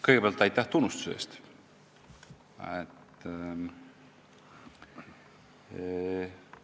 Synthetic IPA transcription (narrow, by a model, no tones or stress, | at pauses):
kɤjɡebeːlt̪ːˑɑjt̪ːæht̪unːust̪u̥sḛːst̪ | et̪